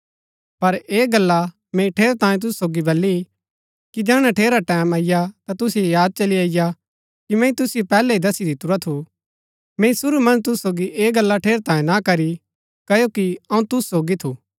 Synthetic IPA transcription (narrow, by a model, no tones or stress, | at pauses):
pɐɾeːɡɐlːa | mẽĩʈʰeːɾt̪ãːjẽt̪̬ʊssoːɡibɐlːi | kid͡ʒɛːɽ̃aʈʰeːɾaʈɛːmaːɪjat̪at̪ʊsjojaːd̪̚t͡ʃɐliaːɪja | kimɛ̃ːĩt̪ʊsɪjopɛːlɛid̪ɐsid̪ʱɪt̪ʊɾat̪ʰu | mɛ̃ĩsʊɾumɐ̃nt̪ʊssoːɡiʔeːɡɐlːaʈʰeːɾt̪ãːẽnakɐɾi | kɐjokiɐũt̪ʊssoːɡit̪ʰuː